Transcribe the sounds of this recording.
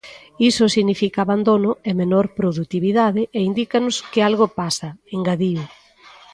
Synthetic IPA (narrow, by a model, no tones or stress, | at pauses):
isʊsiɣnifikaːβand̪onʊemenoɾpɾoðut̪iβiðaðɪʔeind̪ikanʊskɪalɣopasɐeŋɡaðiʊ